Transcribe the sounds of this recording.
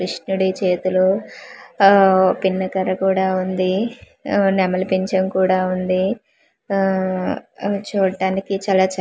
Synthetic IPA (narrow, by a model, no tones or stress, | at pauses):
kɾiʂnuɽit͡ʃe̞ːt̪ulu | pinːɐkɐɾɐkuːɽaːund̪i | nɛmɐlɐpiɲt͡ʃɐmkuːɽaːund̪i | t͡ʃuːɽʈaːnikit͡ʃaːlaːt͡ʃɐ